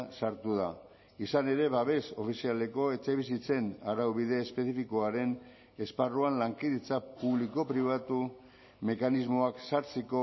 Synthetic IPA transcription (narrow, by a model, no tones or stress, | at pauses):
saɾt̪uða | isane̞ɾe̞βaβe̞so̞fisiale̞ko̞e̞t͡seβisit͡se̞naɾawβiðe̞ːspe̞θifikoaɾe̞n | e̞sparuanlaŋkiðit͡sapuβliko̞pɾiβat̪u | me̞kanizmo̞aksaɾt͡seko